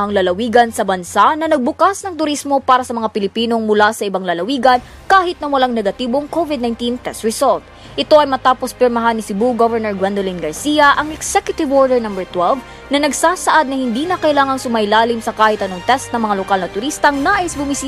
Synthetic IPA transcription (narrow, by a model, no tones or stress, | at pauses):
ɐŋlɐlɐwiːɡɐnsɐbɐnsanɐnɐɡ̚bʊkasnɐŋt̪ʊɾismo̞paːɾɐsɐmɐŋapɪlɪpiːno̞ŋmʊlasɐʔɪbaŋlɐlɐwiːɡɐn | kaːhɪt̪̚nɐwɐlaŋnɛɡɐt̪iːbo̞ŋkovɪd̪najnt̪int̪ɛst̪ɹɛsolt̪̚ | ʔɪt̪o̞ʔɐjmɐt̪aːpospɛɾmɐɦanɪsɪbuɡovɛɹnɛɹɡwɛnd̪olinɡɐɹsijɐʔɐŋɛksɛkjʊt̪ɪvʔoɹd̪ɛɹnɐmbɛɹt̪wɛlv | nɐnɐɡsaːsɐʔad̪̚nɐhɪnd̪iːnɐkɐʔɪlaːŋɐŋsʊmɐjlaːlɪmsɐkaːhɪt̪ɐnoŋt̪ɛst̪nɐŋmɐŋalokalnɐt̪ʊɾist̪ɐŋnaːʔɪsbʊmisi